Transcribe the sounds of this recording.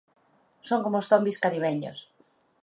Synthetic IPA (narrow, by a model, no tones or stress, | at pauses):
soŋkomost̪ombiskaɾiβeɲo̰s